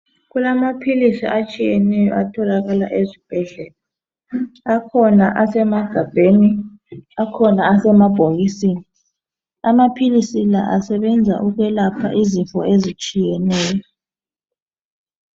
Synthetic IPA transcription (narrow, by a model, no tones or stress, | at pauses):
ɣulamapʰilisḭʔat͡ʃʼijɛnɛjɔ̰ʔatʰɔlaɣala̰ʔezib̥ʱɛɮɛlaː | kʰɔnaʔasɛmaɡ̥ʱab̥ʱeni | akʰɔnaːsɛmab̥ʱoɣisiːni | amapʰilisila̰ʔasɛβɛnd͡zʱa̰ʔuɣwɛlapʰa̰ʔiziɱfɔ̰ezit͡ʃʼijɛnɛːjɔ